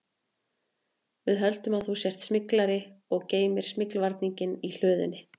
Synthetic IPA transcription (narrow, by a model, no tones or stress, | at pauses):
vɪðɦœlt̪ʏmaðθusjɛr̥t̪smɪklaɾɪɔɣceːjmɪɾ̥smɪklvaɾt̪niɲcɪnil̥œːðʏ̰nːɪ